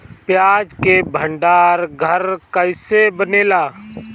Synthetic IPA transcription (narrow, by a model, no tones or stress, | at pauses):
pjaːd͡ʒkebʱə̃ɳɖaːɾɡʱəɾkəɪsebəneːlaː